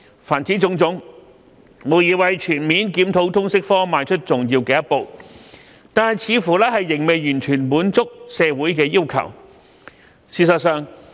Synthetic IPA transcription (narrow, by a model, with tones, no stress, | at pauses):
faː˨˩nt͡siː˨˥t͡sʊ˧˥ŋt͡sʊ˨˥ŋ | mo˨˧wjiː˨˧wɐ˨˧jt͡ʃʰyː˨˩nmiː˨˥nkiː˨˥mt̪ʰo˨˥wt̪ʰʊ˥ŋsɪ˥k̚fɔː˥maː˨˧nt͡ʃʰɵ˥t̚t͡sʊ˨ŋjiː˧wkɛː˧jɐ˥t̚po˨˧w | t̪aː˨˧nhɐ˨jt͡sʰiː˨˧fuː˨˩lɛː˥ɦɐ˨jːɪ˨˩ŋme˨˧jjyː˨˩nt͡ʃʰyː˨˩nmuː˨˥nt͡sʊ˥k̚sɛː˧wuː˨˥jkɛː˧jiː˥wkʰɐ̰˨˩w | siː˨˩sɐ˨t̚sœː˨˧ŋ